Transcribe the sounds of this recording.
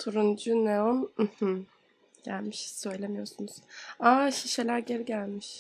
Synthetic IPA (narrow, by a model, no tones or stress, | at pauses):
t̪ʰuɾund͡ʒuneum̩h̩ | ɟ̥ælʲmiʃsø̞jlʲemijo̞ɾsunuz̥aːʃiʃelʲæɾɟe̞ɾiɟælʲmiʃ